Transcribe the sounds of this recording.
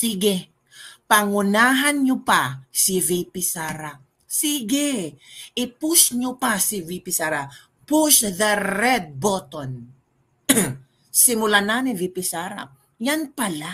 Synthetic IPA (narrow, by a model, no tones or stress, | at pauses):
siːɡɛ | pɐŋʊnaːɦɐnɲopasɪvipɪsaɾa | siːɡɛʔɪpʊsɲopasɪvipɪsaɾa | puʃðɐɾɛd̪̚bot̪on | sɪmʊlananɪvipɪsaɾa̰ | janpɐla